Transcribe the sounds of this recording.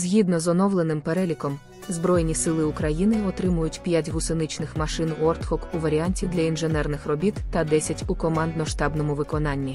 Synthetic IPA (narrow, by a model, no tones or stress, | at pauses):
zʲɦʲid̪nɔzɔnɔwlˠenɪmpeɾɛlʲikɔm | zbɾɔjnʲisɪlˠɪʊkɾɐjinɪɔt̪ɾɪmʊjʊtʲpʲjatʲɦʊsɪnɪt͡ʃnɪxmɐʃɪnɔrt̪hɔkuʋɐɾʲianʲtʲid̪lʲɐinʒenɛrnɪxrɔbʲit̪ːɐd̪ɛsʲɐtʲukɔmɑnd̪nɔʃt̪ɑbnɔmʊʋɪkɔnɑnʲːi